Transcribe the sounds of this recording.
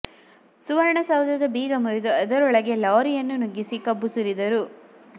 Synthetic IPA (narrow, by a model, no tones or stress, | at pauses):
suʋɐɾɳɐsɐwd̪ɐd̪ɐbiːɡɐmuɾid̪uɐd̪ɐɾɔɭɐɡe̞lɐːɾijɐnːunuɡːisikɐbːusuɾid̪ɐɾu